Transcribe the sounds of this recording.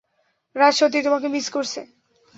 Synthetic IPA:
ɾaʃot̪̬it̪omak̬emiskoɾt͡ɕʰḛ

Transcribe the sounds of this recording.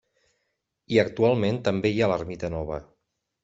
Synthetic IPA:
iək̚t̪ualˠment̪əmbeialərmit̪ənɔβ̞ə̰

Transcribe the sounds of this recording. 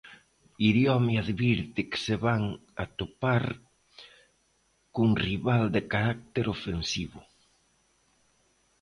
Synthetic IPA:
iðjɔmjaðβiɾt̪ɪkseβaŋat̪opaɾ | kuŋriβald̪ɪkaɾak̚t̪eɾofensiβʊ

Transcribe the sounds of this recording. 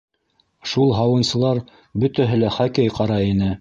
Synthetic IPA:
ʃulˠɦɑwɤ̆nsɤ̆lˠɑɾ | bɵ̆t̪æɦɘ̆læχækæjqɑɾɑinɘ

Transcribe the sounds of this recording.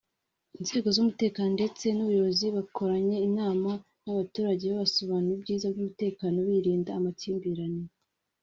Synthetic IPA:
inze̞ːɡo̞zumute̞ːkaːnonde̞t͡se̞nuβujo̞βoziβakʰo̞ɾaɲe̞inaːma | naβatuːɾaɟe̞βaβasoβaːnuɾibɟiːzabɡumute̞ːkaːno̞βiɾiːndaːmaciːmbiɾani

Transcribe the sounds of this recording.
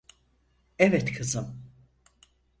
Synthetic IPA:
ɛvɛt̪kʰɯzɯm

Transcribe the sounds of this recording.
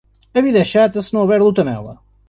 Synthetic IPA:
ɐβiðɐɛʃat̪ɐsɨnɐ̃w̃uβɛɾlˠut̪ɐnɛ̰lˠɐ̰

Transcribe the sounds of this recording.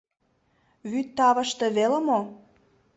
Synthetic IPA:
βyt̪ːɑβə̆ʃt̪ɤ̆βelə̆mo

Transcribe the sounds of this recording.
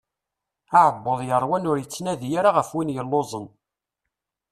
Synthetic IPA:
aʕəbːəðˤjəɾˤwænʊɾjət͡sːnæðjaɾaʁəfwinjəlːozˤən

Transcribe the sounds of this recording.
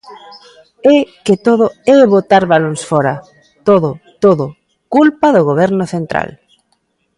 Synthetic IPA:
ɛket̪oðʊɛβot̪aɾβalonsfɔɾa | t̪oðʊt̪oðʊ | kulpaðoɣoβ̞ɛɾnʊθent̪ɾa̰l

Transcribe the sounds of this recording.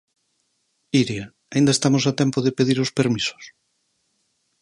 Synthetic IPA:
iɾja | aĩnd̪ɐest̪amosat̪ɛmpoðepeðiɾospeɾmiso̥s

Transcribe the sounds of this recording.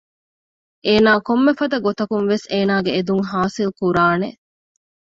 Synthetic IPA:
ʔeːnaːkomːefɐd̪ɐɡot̪ɐkuŋʋeseːnaːɡeːd̪uŋɦaːsilkuɾaːne

